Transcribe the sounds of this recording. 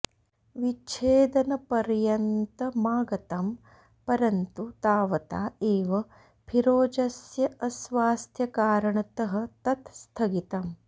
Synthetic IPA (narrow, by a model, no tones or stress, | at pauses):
ʋit͡ʃʰeːd̪ɐnɐpɐɾjɐnt̪ɐmaːɡɐt̪ɐm | pɐɾɐnt̪ut̪aːʋɐt̪aːeːʋɐ | pʰiɾoːd͡ʒɐsjɐʔɐsʋaːst̪ʰjɐkaːɾɐɳɐt̪ɐɦɐ̆t̪ɐt̪st̪ʰɐɡit̪ɐm